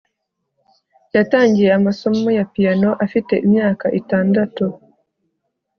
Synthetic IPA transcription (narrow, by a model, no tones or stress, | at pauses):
jataːɲɟijeamaso̞mojapijanoʔafite̞ʔimjaːkaʔitaːndatu